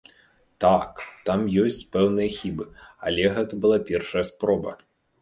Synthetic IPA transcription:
t̪akt̪amjɔsʲt͡sʲpɛwnɨjɐxʲibɨɐ̰lʲɛɣɛt̪ɐbɨlˠapʲɛrʂɐjɐspɾɔbɐ̰

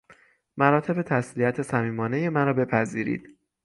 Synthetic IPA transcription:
mæɾɒːt̪ʰe̞be̞t̪ʰæslijæt̪ʰe̞sæmiːmɒːne̞je̞mæɾɒːbe̞pʰæziːɾḭːd̪̥

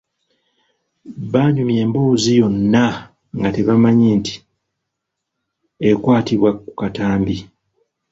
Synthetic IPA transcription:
βaɲumje̞ːmbo̞ːzijo̞nːa | ŋɡate̞βamaɲeːnti̥ | ekwaːtiβwaku̥kataːmbi

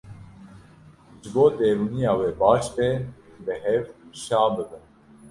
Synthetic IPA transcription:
ʒɨboːd̪eːɾuːnijɑːweːbɑːʃtebɨɦɛvuʃaːbɨbɨn

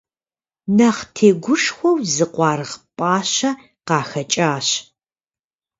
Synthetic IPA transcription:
nɐχtʰeːɡʷʊʂxʷɔwzɨqʷɑːrɨʁpʼaːɕɐ | qɑːxɐt͡ʃʼaːɕ

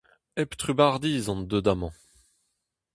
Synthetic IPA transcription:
ɛpt̪χybaʁd̪iːzɑ̃nd̪ød̪amɑ̃

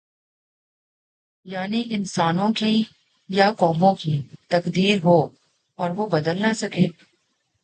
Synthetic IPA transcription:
jaːniɪnsaːnõki | jakɔːmõkit̪ɐkd̪iːɾɦoː | ɔːɾʋobɐd̪əlnasɐkeː

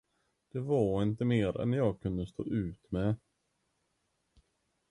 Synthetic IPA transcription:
d̪̥ɛvɑɾɪnt̪əmeːɾɛ̰njɑːɡ̚kʰɵnd̪əst̪o̰ːʔʉ̟ːt̪mɛ

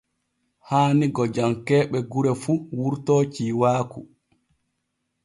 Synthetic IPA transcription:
haːniɡɔd͡ʒamkɛːɓɛɡuɾɛfuwuɾtɔːt͡ʃiːwaːku

